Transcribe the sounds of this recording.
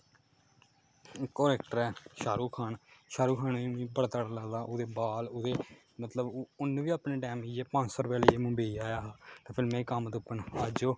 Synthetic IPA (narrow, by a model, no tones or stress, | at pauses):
koːɾɛːk̚ʈəɾɛːʃaːɾuːkʰaːnʃaːɾuːkʰaːnːiĩːpəɽt̪əɽaːləːd̪aːʔʊd̪eːbaːlʊd̪eː | mət̪ləbʊnʋiːaːpnẽːɖɛːmiːeːpãːt͡ʃsɔːɾbeːləeːmʊ̃mbeiːaːjaːɦt̪ãːpʰɪlmẽːkamt̪ʊpːəɳaːd͡ʒoː